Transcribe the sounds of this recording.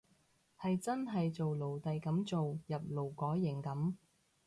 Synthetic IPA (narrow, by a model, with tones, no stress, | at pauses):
hɐ˨jt͡sɐ˥nɦɐ˨jt͡so˨wlo˨˩wt̪ɐ˨jkɐ˨˥mt͡so˨wjɐ˨p̚lo˨˩wkɔː˨˥jːɪ˨˩ŋkɐ˨˥m